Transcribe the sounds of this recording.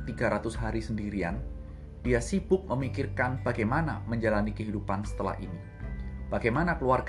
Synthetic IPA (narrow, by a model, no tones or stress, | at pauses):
t̪iɡaɾat̪ʊsɦaɾisəndiɾian | d̥iasibʊk̚məmikirkanb̥aɡajmanaməɲd͡ʒalanikəɦidupansə̥t̪əla̰hḭni | b̥aɡajmanakəluarɡ